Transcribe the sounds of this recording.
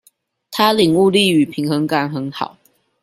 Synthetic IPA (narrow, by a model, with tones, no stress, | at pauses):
t̪ʰa˦li˨˩ŋu˥˧li˥˨y˨˩pʰi˨˦ŋxə˧˥ŋka˨˦nxə˧˦nxɑ̰˨˩˦ʊ